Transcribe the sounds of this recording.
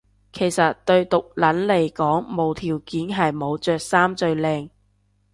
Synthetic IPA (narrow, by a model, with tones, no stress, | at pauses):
kʰe˨˩jsɐ˨t̚t̪ɵ˧ɥt̪ʊ˨k̚lɐ˨˥nle˨˩jkɔː˨˥ŋmo˨˧wt̪ʰiː˨˩wkiː˨˥nɦɐ˨jmo˨˧wt͡sœː˨k̚saː˥mt͡sɵ˧ɥlɛː˧ŋ